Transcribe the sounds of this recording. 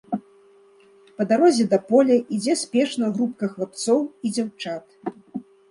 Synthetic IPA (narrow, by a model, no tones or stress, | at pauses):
pɐd̪aɾɔzʲɛd̪ɐpɔlʲɛʔid͡zʲɛsʲpʲɛʂnɐɣɾup̚kɐxlˠap̚t̪sɔwid͡zʲawt͡ʂat̪